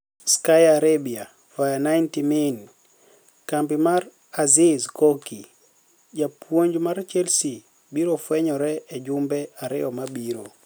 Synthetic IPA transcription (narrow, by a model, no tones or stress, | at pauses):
skajaɾebia | fajanajntimɛn | kampimaɾ | azizkɔki | d͡ʒapwoɲd͡ʒmaɾt͡ʃɛlsi | biɾofwɛɲɔɾɛːd͡ʒʊmbɛaɾɪ̰ɔmabiɾo